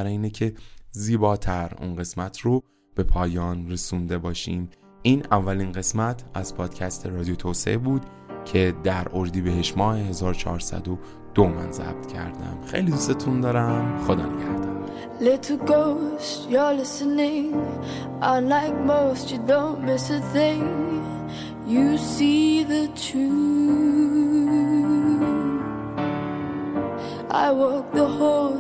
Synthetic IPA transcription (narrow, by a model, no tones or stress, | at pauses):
æɾɒiːnecʰe̞ziːbɒːt̪ʰæɾṵnɢe̞smæt̪ʰɾo | b̥e̞pʰɒːjɒːnresund̪e̞bɒːʃiːm | iːnævːælinɢe̞smæt̪ʰæzpʰɒːd̪̥cʰæst̪ʰe̞ɾɒːd̪ijot̪ʰoːse̞̰ʔebuːd̪̥ | cʰe̞d̪æɾʔoɾd̪iːbeɦeʃmɒːheɦe̞zɒːɾot͡ʃʰɒ̰ːɾsæ̰d̪o | d̪̥omæ̰nzæ̰b̥̚t̪ʰcʰæ̰ɾd̪æ̰mxe̞̰jlid̪ust̪e̞t̪ʰund̪ɒːɾæmxod̪æmcʰæɾd̪æm | lɪɾʰl̩ˠɡoʊstjə˞lɪsənɪ̃ŋ | ʔanlaɪk̚moʊstjɨdõʊ̃nmɪsəθɪ̃ŋ | jɨsiðətʰu | ʔa̰ɪwɔk̚ðəho